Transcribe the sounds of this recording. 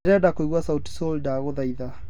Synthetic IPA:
ɾɛdakoiɣwasauti̥sɔldaɣoðaiða

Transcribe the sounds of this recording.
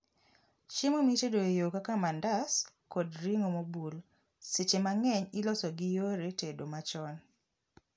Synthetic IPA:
t͡ʃimomitedoejokakamandas | kɔdɾiŋomobul | set͡ʃemaŋɛɲɪlɔsɔɡɪjoɾetedomat͡ʃɔn

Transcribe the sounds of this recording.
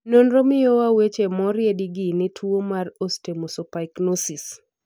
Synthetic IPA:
nonɾomɪjowawet͡ʃemɔɾjediɡinɪtʰwuomarostemosopaiknosis

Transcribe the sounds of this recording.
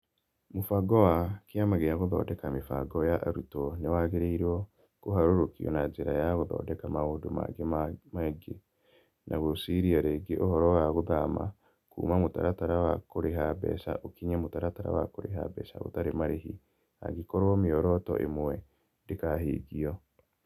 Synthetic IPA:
mofaɡɔwakiamaɣejaɣoðɔ̰ːdɛkamifa̰ɡɔjaʔaɾutɔnewaɣeɾeiɾwɔ | koɦaɾoɾokiɔ̰nad͡ʒeɾa̰jaɣoðɔ̰ːdɛkamahodoma̰ɡemaɡe | nʔaɣosiɾiaɾeːɡeʔohɔɾɔwaɣoðama̰ | kṵːmamota̰ɾataɾawakoɾeɦabɛ̰sa̰ʔokiɲamotaɾataɾa̰wa̰koɾeɦa̰bɛ̰sa̰ɣo̰taɾemaɾehḭ | a̰ɡikɔɾɔmiɔɾɔtɔ̰ʔḛmwɛ | ndekahḛːɡiɔ

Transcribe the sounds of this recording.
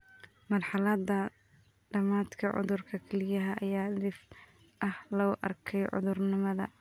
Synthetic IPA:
mɐrħɑlɐd̪ɐ | ɖɐmaːd̪kʰɐʕʊ̰ðʊrkʰɐkʰɛlɪjɐɦɐʔːjaːlɪf | ʔɐhlɔʊʔɐ̰rkʰɛjʕʊ̰ðʊrnɪmɐðɐ̰

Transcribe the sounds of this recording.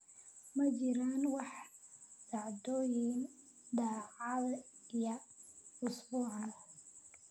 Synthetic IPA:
mɐt͡ʃɪɾaːnwɑħ | d̪̥ɑʕd̪ɔːjɪn | d̪ɑːʕɑð | ijɐʊsbuːʕn

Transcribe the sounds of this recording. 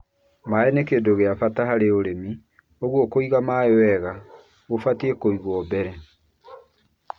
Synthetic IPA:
maɛnekedoɣeafataɦaɾeoɾemi | oɣwɔkoiɣamaewɛɣa | ɣofatiekoiɣwɔbɛɾɛ

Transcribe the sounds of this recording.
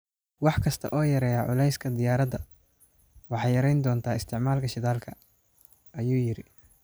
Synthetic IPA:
wɑħkʰɐst̪ʰɐ̰ʔɔːjɐɾɛːjɐʕʊlɛjskʰɐd̪ɪjaːɾɐd̪ɐ | wɑħɑjɐɾɛjnd̪ɔːnt̪ʰaːɪst̪ʰɪʕmaːlkʰɐʃɪðaːlkʰɐ | ɐjuːjɪɾɪ

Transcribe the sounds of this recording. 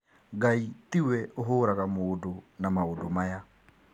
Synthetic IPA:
ɡaitiwɛʔoɦoɾakamoːdonamaodomaja

